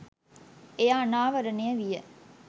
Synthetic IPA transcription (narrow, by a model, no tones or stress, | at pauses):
ejaːnaːʋɐɾɐneəʋijə